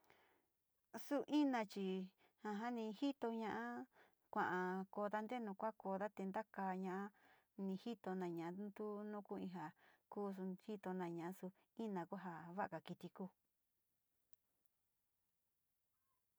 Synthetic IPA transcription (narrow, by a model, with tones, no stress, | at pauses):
su˦ʔĩ˦nã˧t͡ʃi˧ | hã˧ɦa˦nĩ˧hi˦t̪o˧ɲã˧ʔa˦ | kʷã˨ʔã˧ko˧˨ða˦nd̪e˦nũ˧kʷa˦ko˧˨ða˦t̪e˧nd̪a˦kaː˧ɲã˧ʔa˦ | nĩ˧hi˦t̪o˧nã˨ɲã˨ʔnd̪u˦nũ˦ku˦ĩ˧ɦa˨kuː˦s̬u˧hi˦t̪o˧nã˧ɲã˨ʔa˧su˧ | ĩ˦nã˨ku˦ɦa˧βa˦ʔa˧ka˨ki˧t̪i˧kuː˧